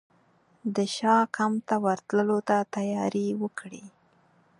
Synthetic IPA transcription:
d̪əʃɑkamt̪awaɾt̪ləlot̪at̪ajɑɾiwəkɽi

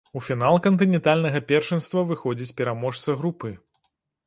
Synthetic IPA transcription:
ufʲinalˠkɐnt̪ɨnʲɛnt̪alʲnɐɣɐpʲɛrʂɛnst̪vɐvɨxɔd͡zʲit͡sʲpʲɛɾamɔʂt̪sɐɣɾupɨ

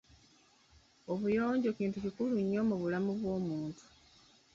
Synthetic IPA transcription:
o̞βujo̞ːɲɟo̞kiːntucikuluɲːo̞ːmuβulamuβwo̞ːmuːntu̥

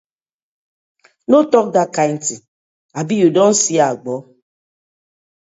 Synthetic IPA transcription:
notɔk̚dakan̩ti | abijudɔn̩siaaɡ͡bɔ

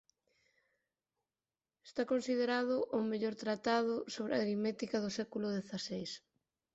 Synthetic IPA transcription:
est̪akonsið̞eɾað̞ʊʔʊmeʎoɾt̪ɾat̪að̞ʊsoβɾeɐ̰ɾimɛt̪ikɐðʊsɛkulʊðeθasejs

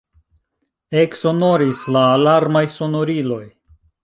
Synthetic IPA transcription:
e̞kso̞no̞ɾislaːlaɾmajso̞no̞ɾilo̞j

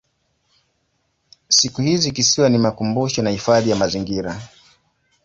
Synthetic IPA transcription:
sikuhizikisiwanimakumbuʃɔnahifaðijamaziŋɡiɾa

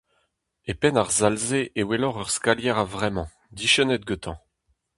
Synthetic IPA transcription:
epɛnaʁzalzeʔewelɔʁœʁskaljɛʁavʁɛmɑ̃ | d̪iʃənɛt̪̚ɡøt̪ɑ̰̃

